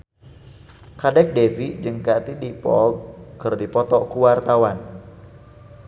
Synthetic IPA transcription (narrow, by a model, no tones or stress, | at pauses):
kadɛk̚defiʔd͡ʒɨŋkat̪idipɔɡ̚kɨrdipɔt̪ɔkuwart̪awan